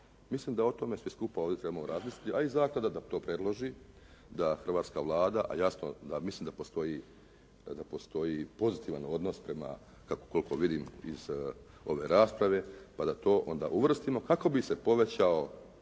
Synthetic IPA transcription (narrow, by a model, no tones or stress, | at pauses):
misliːmd̪aot̪o̞me̞sʋiskupaoʋd̪ʲet̪ɾe̞bamoɾazmisli̥t̪iʔaizaːklad̪ad̪at̪o̞ːpɾe̞d̪lˠoʒi | d̪axr̩ʋaːt̪skaʋlˠaːd̪aʔa̰jasno̞̰d̪amisliːmd̪apo̞st̪o̞ji | d̪apo̞st̪o̞jipo̞zit̪iʋa̰no̞d̪nospɾe̞ma̰ | kako̥koliko̞ʋid̪imiz̥ | o̞ʋe̞̰ːɾaːspɾaʋe̞pad̪at̪o̞ːʔo̞̰nd̪a̰ʔuʋr̩st̪imo̞kako̞bisepo̞ʋe̞t͡ɕao